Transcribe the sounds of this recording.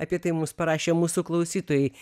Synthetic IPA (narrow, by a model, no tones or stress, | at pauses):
ɐpʲɛt̪ɨjmumspɐɾɑʃʲɛmuːsuklˠɐʊsʲit̪ɔjɛj